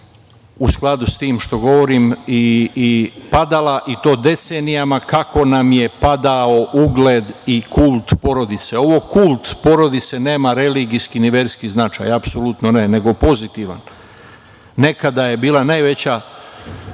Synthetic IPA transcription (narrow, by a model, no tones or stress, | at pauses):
usklˠad̪ust̪iːmʃt̪o̞ɡo̞ʋo̞ɾimi | pad̪alaʔit̪o̞ːd̪e̞t̪senijamakako̞namje̞pad̪ao̞ʔuɡled̪ikulˠt̪po̞ɾo̞d̪it̪seo̞ʋo̞kulˠt̪po̞ɾo̞d̪it̪se̞ne̞ːmaɾe̞liɡiskiniʋeːɾskiznat͡ʃa̰japso̞lut̪nonene̞ɡo̞po̞zit̪iʋa̰n | ne̞kad̪aje̞biːlˠanajʋe̞t͡ɕa